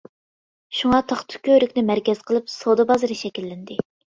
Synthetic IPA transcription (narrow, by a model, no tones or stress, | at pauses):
ʃuŋɑt̪ʰɑχt̪ʰʊ̥kʲøɾykʲnɪmæɾkʲɛz̥qʰəlˠɨpsod̪ɨbɑzɨɾɨʃɛkʲilːɪnd̪ɪ